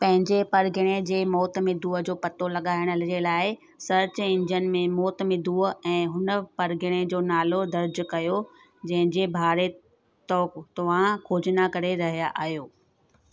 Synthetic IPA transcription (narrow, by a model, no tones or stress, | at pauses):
pɐ̃ɦɪ̃ɲd͡ʑepɐɾɡʱɪɽ̃ed͡ʑeːmɔːt̪mẽd̪ʱuːəd͡ʑoːpɐt̪olɐɠaːɪɽ̃əld͡ʑelaːɪ | sɐɾt͡ɕɪ̃ɲd͡ʑənmẽmɔːt̪mẽd̪ʱuːəɛ̃ːɦʊnəpɐɾɡʱɪɽ̃ed͡ʑoːnaːlod̪ɐɾd͡ʑʊkɐjo | d͡ʑɐ̃ɦɪ̃ɲd͡ʑebʱaːɾe | t̪ɔːt̪ɐʋ̤ãkʰoːd͡ʑnakɐɾeɾɐɦijaʔaːɦijoː